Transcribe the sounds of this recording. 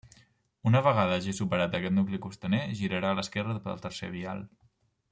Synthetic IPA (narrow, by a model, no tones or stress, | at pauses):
unəβəɣaðəʒisupəɾat̪əkɛt̪nuklikust̪əneʒiɾəɾaːləskɛrəpə̰lˠt̪əɾsḛβia̰lˠ